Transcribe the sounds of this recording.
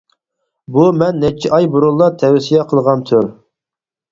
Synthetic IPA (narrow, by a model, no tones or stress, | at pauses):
bumɛnːɛt͡ʃʰːiʔɑjbuɾolˠːɑt̪ʰɛwsijɛqʰəlˠəʁɑnt̪ʰøɾ